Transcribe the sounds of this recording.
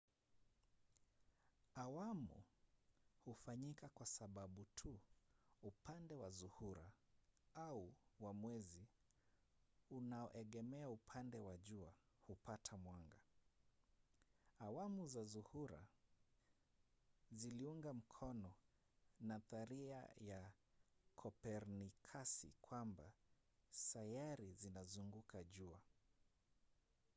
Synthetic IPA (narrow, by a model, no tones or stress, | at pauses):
awamṵ | hufaɲikakwasaɓaɓutʰu | upandɛwazuhuɾa | auwamwɛzi | unaɔʔɛɠɛmɛaupʰandɛwaʄua | hupatʰamwaŋɡa | awamuzazuhuɾa̰ | ziliuŋɡam̩kʰɔnɔ | naθaɾia̰ja | kʰɔpɛɾnikʰasḭkwamba | sajaɾizinazuŋɡukʰaʄua